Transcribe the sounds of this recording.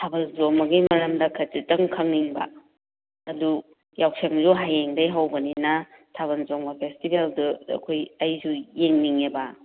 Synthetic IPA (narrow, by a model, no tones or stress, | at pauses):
tʰabɐlzoŋmbɐɡimɐɾɐmdɐkʰɐtitɐŋkʰɐŋniŋbɐ̰ː | du | jawk̚seŋzuɦajeŋdɐjɦawbɐninɐ | tʰaβɐnzoŋbɐpʰestibelduɐ̰kʰojɐjzujeŋniŋebɐ